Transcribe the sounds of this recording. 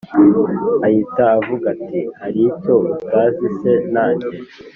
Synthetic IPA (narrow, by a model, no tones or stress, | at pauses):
ahitaːvuɡatʰihaɾicotaːzise̞naːɲɟe